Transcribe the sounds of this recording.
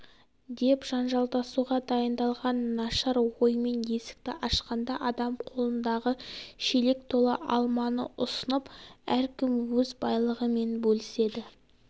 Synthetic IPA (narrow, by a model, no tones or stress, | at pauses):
d̪e̞pʒ̥ɑnʒɑlˠt̪ɑsuʁɑd̪ɑjənd̪ɑlˠʁɑnːɑʃɑɾwo̞jəme̞nje̞sɪ̥k̚t̪ɪʔɑʃqɑnd̪ɑʔɑd̪ɑmqʰo̞lˠənd̪ɑʁəʃele̞k̚t̪ʰo̞lˠəʔɑlˠmɑnə̰ʔʊsənəpæɾkʲʰɪmwɵzbɑjlˠəʁəme̞nbɵlɪse̞d̪ɪ